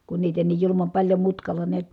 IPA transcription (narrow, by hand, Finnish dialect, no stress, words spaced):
kun niːtæ niːj julumɑm pɑlʲjo mutkɑlːɑ niæt